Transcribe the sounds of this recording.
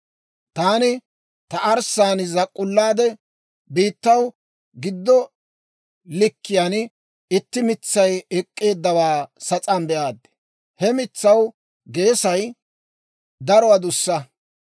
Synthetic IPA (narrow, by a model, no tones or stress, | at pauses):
t̪aːnɪ | t̪ɐʔɐɾsaːnzɐkʼːʊlːaːd̪ɛ | biːt̪ːɐw | ɡɪd̪ːɔ | lɪkːɪjaːn | ɪt̪ːɪmɪt͡sːɐjɛkʼːe̞ːd̪ːɐwaːsɐt͡sʼɐnbɛʔaːd̪ːɛ̥ | hɛmɪt͡sːɐw | ɡe̞ːsɐj | d̪ɐɾɔwɐd̪ʊsːɐ